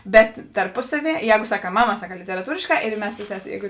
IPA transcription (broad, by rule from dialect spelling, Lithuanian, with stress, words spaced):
bʲɛt tɐrˈpʊsɐˌʋʲiɛ ˈjɛːɡʊ sɐˈkɑː ˈmɑːˌmɑː sɐˈkɑː lʲɪtʲɛrɐˈtuːrʲeːʃˌkɑː ɪr ˈmʲɛs sʊ ˈsʲæːˌsʲeː ˈjɛːɡʊ